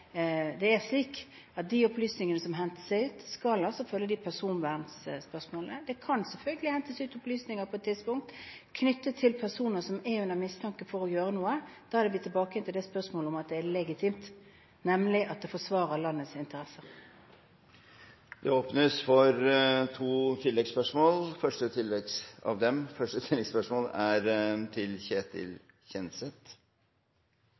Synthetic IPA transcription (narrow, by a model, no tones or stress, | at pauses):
d̪ɛæɾʂliːk | ɑt̪̚d̪iɔplyːsnɪŋənəsɔmɦɛnt̪ə̥sæɪʉːt̪skɑlɑlsɔfœlːəd̪ɪpʰæʁsuːnʋæʁnsspœsmoːlnəd̪ɛkʰɑnsɛlfœlɡəlɪhɛnt̪əsʉːt̪ɔplyːsnɪŋəpʰɔɛt̪ʰːɪd̪spʊŋk̚t̪kʰnʏt̪ːət̪ʰɪlpʰæʁsuːnəsɔmɛʉnːəmɪst̪ʰɑŋkəfɔɾɔjøːɾənuːəd̪̥ɑːæɾd̪ɛʋɪt̪ʰɪlbɑːkəjɛnt̪ɪld̪ɛspœsmoːləɔmɑt̪̚d̪ɛælɛɡɪt̪ʰiːmt̪ | nɛmlɪʔɑt̪̚d̪ɛfɔsʋɑːɾəlɑnːət̪sɪnt̪əɾɛsəɾ | d̪̥ɛoːpnəsfɔɾt̪ʰuːt̪ʰɪlːɛɡspœʂmoːlfœʂʈət̪ʰɪlːɛɡsɑ̰ʋd̪ɛmfœʂʈət̪ʰɪlːɛɡspœʂmoːlæɾt̪ʰɪlçeːt̪ʰɪ̰l | çɛnsɛt̪